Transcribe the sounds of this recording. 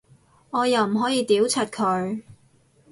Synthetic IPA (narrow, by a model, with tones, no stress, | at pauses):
ŋɔː˨˧jɐ˨wm̩˨˩ɦɔː˨˥jiː˨˧t̪iː˨˥wt͡sʰɐ˨˩t̚kʰɵ˨˧ɥ